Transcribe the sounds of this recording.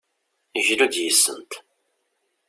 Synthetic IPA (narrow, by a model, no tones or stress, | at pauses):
iʒlud̪jisːə̰nt̪